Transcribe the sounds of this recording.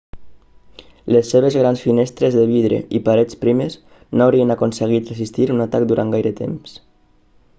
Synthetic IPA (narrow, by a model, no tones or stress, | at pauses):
lesːeβ̞ezɣɾansfinest̪ɾezðeβiðɾḛipaɾet͡spɾimez | noawɾienakonseɣ̞it̪rezist̪iɾunat̪akd̪uɾʔaŋɡajɾət̪ḛms